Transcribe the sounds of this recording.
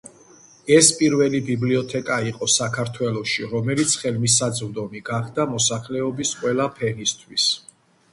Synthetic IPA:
ɛspʼiɾvɛlibibliɔt̪ʰɛkʼaiqʼɔsakʰaɾt̪ʰwɛlˠɔʃiɾɔmɛlit̪sʰχɛlmis̬ad̪zɾd̪ɔmiɡaχd̪amɔsaχlɛɔbisqʼwɛlapʰɛnist̪ʰwis

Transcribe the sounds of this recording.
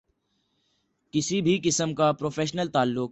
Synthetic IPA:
kɪsibʱikɪsəmkapɾoːfeːʃnəlt̪aːlːʊk

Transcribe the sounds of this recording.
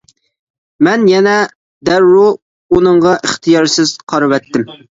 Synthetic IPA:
mɛnjɛnɛ | d̪æɾːu | unɨɴʁɑʔəχt̪ʰɨjɑɾsɪz̥qʰɑɾvɛt̪ːɪm

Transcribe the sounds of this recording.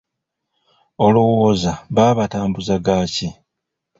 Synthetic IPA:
olowoːzaβaːβataːmbuzaɡaːci

